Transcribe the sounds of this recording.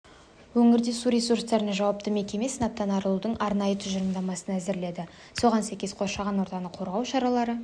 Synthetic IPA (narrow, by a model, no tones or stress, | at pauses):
wɵŋɪɾd̪e̞suɾʲe̞surst̪ɑɾneʒɑwɑp̚t̪əme̞kʲe̞me̞sənɑp̚t̪ɑnɑɾəlˠud̪əɴʔɑɾnɑjət̪ʰʏʒəɾəmd̪ɑmɑsənæzɪɾle̞d̪ɪ | so̞ʁɑnsæjkʲe̞sqʰo̞ʃɑʁɑnwo̞ɾt̪ɑnəqʰo̞ɾʁɑwʃɑɾɑlˠɑɾə